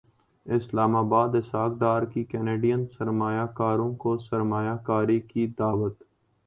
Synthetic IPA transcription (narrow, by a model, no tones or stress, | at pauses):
ɪslaːmaːbaːd̪ɪsaːk̚d̪aːɾkikɛːneːɖijənsəɾmaːjaːkaːɾõkosəɾmaːjaːkaːɾikid̪aːʋət̪